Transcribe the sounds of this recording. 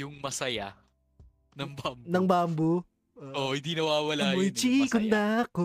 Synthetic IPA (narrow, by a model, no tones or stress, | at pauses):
ʊŋmɐsɐja | nɐŋbamnɐŋbambo | ʔohɪ̃nd̪iːnɐwaːwɐlaːmojt͡ʃikʊnd̪ako